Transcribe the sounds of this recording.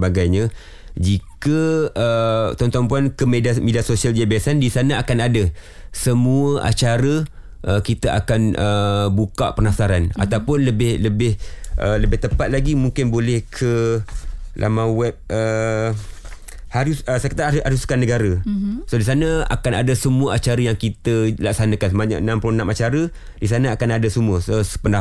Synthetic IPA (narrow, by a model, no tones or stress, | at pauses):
baɡajɲã | d͡ʒikəət̪ɔnt̪ɔmpuankəmediamẽdiasosiald͡ʒiabaasandisanãakanada | səmuəʔa̰t͡ʃaɾə | ʔəkit̪aʔa̰kanəbuka̰ʔpərnafsaɾana̰t̪awpʊnləbɪhləbɪhʔələbɪht̪əpat̪̚laɡimũŋkɪnbolɛhkʰə | lʔa̰mãwɛp̚ə | haɾusəsəkət̪aaɾuskanəɡaɾəsodis̬anə̃a̰kanadasəmuəʔat͡ʃaɾəjaŋkit̪əlak̚sanãkansəmaɲa̰ʔənãmploənamat͡ʃaɾə | disanaakanadasəmuəsosəpəna